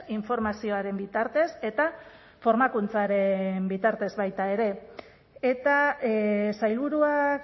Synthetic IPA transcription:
iɱfo̞ɾmasio̞aɾe̞mbit̪aɾt̪e̞se̞t̪a | fo̞ɾmakunt͡saɾe̞mbit̪aɾt̪e̞zβajt̪ae̞ɾe̞ | et̪a | sajlβuɾuak

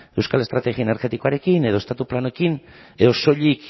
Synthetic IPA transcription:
e̞wskalest̪ɾat̪eɣiaeneɾɣe̞t̪iko̞aɾe̞kine̞ð̞o̞est̪at̪uplanoekin | eðoso̞ʎik

